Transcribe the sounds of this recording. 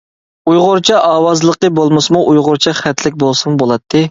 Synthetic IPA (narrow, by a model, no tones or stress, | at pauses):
ujʁʊɾt͡ʃʰɑʔɑːwɑzlˠəqəbolˠmɨsmuʔujʁʊɾt͡ʃʰɑχæt̪ʰlɪk̚ʲbolˠsɨmbolˠɑt̪ʰːɨ